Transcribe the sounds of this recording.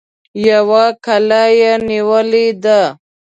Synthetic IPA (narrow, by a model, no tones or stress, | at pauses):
jawakʰalajeniwəlid̪a